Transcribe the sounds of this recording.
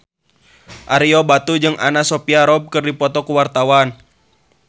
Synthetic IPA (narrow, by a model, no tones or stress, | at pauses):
ʔaɾiɔbat̪ud͡ʒɨŋʔanasɔpiaɾɔb̚kɨrdipɔt̪ɔkuwart̪awan